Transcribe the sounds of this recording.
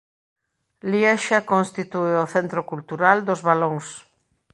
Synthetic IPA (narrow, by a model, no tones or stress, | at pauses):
liɛʃakonst̪it̪ueoθent̪ɾokult̪uɾald̪ozβalõŋs